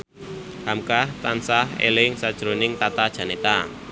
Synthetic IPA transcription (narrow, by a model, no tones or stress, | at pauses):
hamkaht̪ansaɦḛlɪŋsad̥ʒ̥ɾonɪŋt̪at̪ad̥ʒ̥a̤net̪a